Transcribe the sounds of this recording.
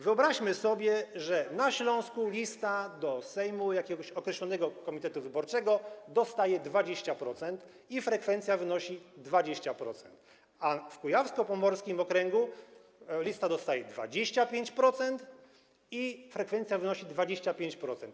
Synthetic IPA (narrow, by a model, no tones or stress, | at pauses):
vɘɔbɾaɕmɘsɔbʲjɛʐɛnaɕlɔ̃w̃skulʲist̪ad̪ɔsɛjmujakʲɛɡɔɕɔkɾɛɕlɔnɛɡɔkɔmʲit̪ɛt̪uvɘbɔɾt͡ʂɛɡɔd̪ɔst̪ajɛd̪vad͡ʑeɕt͡ɕapɾɔt̪sɛnt̪ | ifɾɛkfɛnt̪sʲjavɘnɔɕid̪vad͡ʑeɕt͡ɕapɾɔ̰t̪sɛ̰nt̪ | afkujafskɔpɔmɔɾskʲimɔkɾɛŋɡu | lʲist̪ad̪ɔst̪ajɛd̪va̰d͡ʑeɕt͡ɕapʲjeɲt͡ɕpɾɔt̪sɛnt̪ | ifɾɛkfɛnt̪sʲjavɘnɔɕid̪vad͡ʑeɕt͡ɕapʲjeɲt͡ɕpɾɔt̪sɛnt̪